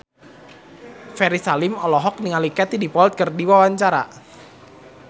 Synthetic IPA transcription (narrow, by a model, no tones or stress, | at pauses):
fɛɾisalɪmɔlɔɦɔk̚niŋalikɛt̪idipɔlt̪̚kərdiwawaɲt͡ʃaɾa̰